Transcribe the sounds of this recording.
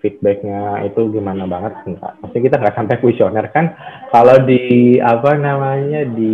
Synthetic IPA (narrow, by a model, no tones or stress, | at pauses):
fit̪̚bɛk̚ɲait̪uɡimanabaŋət̪̚səŋka̰masɪŋkit̪aŋɡaksampɛkuisionɛrkankalawdiapanamaɲadi